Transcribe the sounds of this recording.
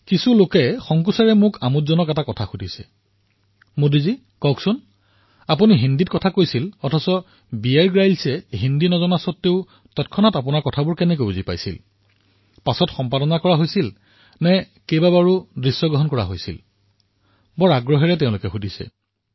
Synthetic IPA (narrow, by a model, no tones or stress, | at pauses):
kisulokɛxɔŋkusaɹɛmʊkʰamutzɔnɔkɛtakɔtʰaxudʱisɛ̰ | modizi | kɔksʊn | ap̬uniɦindit̚kɔtʰakojsilɔtʰɔsɔ | biaɹɡɹajlsɛɦindinɔzɔnasɔtːeʊ | tɔt̚kʰɔnatap̬ʊnaɹkɔtʰabʊɹkɛnɛk̬obuzipa̰jsḭl | pasɔtxɔmpadɔnakɔɹaɦojsil | nɛ | kejbabaɹudɹisːɔɡɹɔɦɔnkɔɹa̰ɦojsḭl | bɔɹaɡɹɔɦɛɹɛtɛʊ̃lʊkɛxudʱisɛ̰